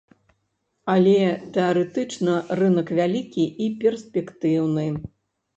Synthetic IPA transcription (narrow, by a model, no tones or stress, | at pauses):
alʲɛt̪ɛaɾɛt̪ɨt͡ʂnɐrɨnɐkvʲalʲikʲiʔipʲɛrsʲpʲɛkt̪ɨwnɨ